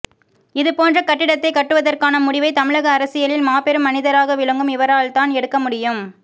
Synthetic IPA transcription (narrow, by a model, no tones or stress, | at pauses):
ɪðɯpoːndrɐkɐʈːɪɽɐt̪ːɐɪkɐʈːɯʋɐðɐrkaːnɐmʊɽɪʋɐɪt̪ɐmɪɻɐɣɐːɾɐsɪjɐlɪlmaːpɛɾɯmːɐnɪðɐɾaːɣɐʋɪɻɐŋɡɯmɪʋɐɾaːɭt̪aːnɛɽɯkːɐmʊɽɪjɯm